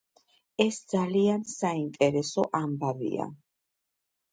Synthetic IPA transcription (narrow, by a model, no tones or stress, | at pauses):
ɛsd̪zaliansaint̪ʼɛɾɛsɔʔambavḭa̰